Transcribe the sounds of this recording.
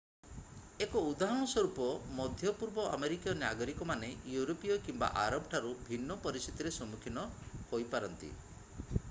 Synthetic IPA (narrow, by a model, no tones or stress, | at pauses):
ekɔud̪aɦɔɽ̃ɔsɔɾupɔmɔd̪ʱjɔpuɾbɔʔa̰meɾikijɔnaɡɔɾikɔmanejuɾopijɔkimba̰ʔaɾɔbʈʰaɾubʱinːɔpɔɾisit̪iɾesɔmukʰinɔhojpaɾɔnt̪ḭ